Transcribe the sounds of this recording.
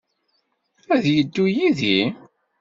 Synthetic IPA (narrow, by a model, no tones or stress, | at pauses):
æðjəd̪ːujiði